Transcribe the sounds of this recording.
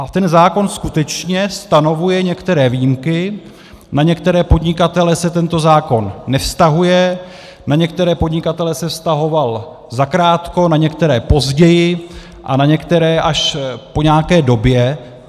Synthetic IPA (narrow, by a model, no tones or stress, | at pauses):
ʔat̪ɛnzaːko̞nskut̪ɛt͡ʃɲɛst̪ano̞vujɛɲɛkt̪ɛɾɛːvijimkɪ | naɲɛkt̪ɛɾɛːpo̞dɲɪkat̪ɛlɛsɛt̪ɛnt̪o̞zaːko̞nːɛfst̪aɦujɛ | naɲɛkt̪ɛɾɛːpo̞dɲɪkat̪ɛlɛsɛfst̪aɦo̞val | zakɾaːt̪ko̞naɲɛkt̪ɛɾɛːpo̞zɟɛjɪ | ʔa̰naɲɛkt̪ɛɾɛːʔaʃpo̞ɲaːkɛːdo̞bjɛ